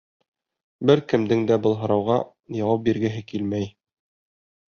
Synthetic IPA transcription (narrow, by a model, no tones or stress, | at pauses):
bɘɾkɘ̆md̪ɘŋd̪æbɤlˠɦɤ̆ɾɑwʁɑ | jɒwɑp̚biɾɡɘ̆ɦɘkilmæj